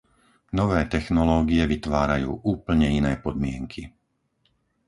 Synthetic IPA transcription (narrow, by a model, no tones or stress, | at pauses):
nɔʋɛːt̪ɛxnɔlɔːɡiɛʋit̪ʋaːɾajṵːʔuːpl̩ɲɛinɛːpɔd̪mɪɛŋkʰi